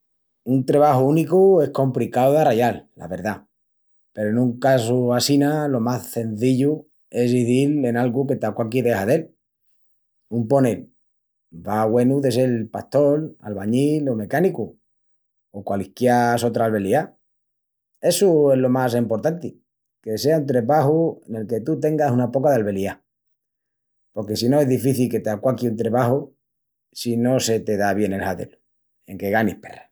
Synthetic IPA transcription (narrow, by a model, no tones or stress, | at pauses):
unt̪ɾeβ̞ahuunikue̞hko̞mplikawðaraʝalːa̰βe̞ɾða | pe̞ɾoenũŋkasuasinalo̞masθe̞n̟θiʎu | e̞zβiðile̞nalɣuke̞t̪akwak̬iðehaðe̞l | umpo̞nel | baɣwe̞nuðe̞s̬elpast̪o̞la̰lβaɲilo̞me̞kaniku | okwalihkjaso̞t̪ɾalβe̞lia | e̞sue̞zlo̞mas̬empo̞ɾt̪ant̪i | ke̞se̞aunt̪ɾeβahuene̞lke̞t̪ut̪e̞ŋɡasunapo̞kaðealβe̞lia | po̞ɾke̞sino̞e̞zðifiθilke̞t̪eakwakiunt̪ɾeβaho | sino̞se̞t̪e̞ðaβ̞je̞ne̞lhaðe̞̰lu̥ | e̞ŋke̞ɣanihpe̞̰ra